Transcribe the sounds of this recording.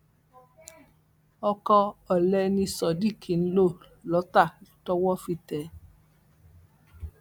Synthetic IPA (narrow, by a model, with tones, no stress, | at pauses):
ɔ˧kɔ˧ɔ˨lɛ˧nĩ˧sɔ˨di˦˨kʰi˨n̩˦lo˦˨ | lɔ˨˦ta˦˨tɔ˦wɔ˦fi˧˨tɛ˨